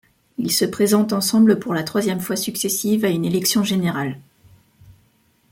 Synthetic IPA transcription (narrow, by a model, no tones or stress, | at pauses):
ilsəpχezɑ̃t̪ɑ̃sɑ̃bləpuʁlat̪χwazjɛmfwasyksesivaynelɛksjɔ̃ʒeneʁal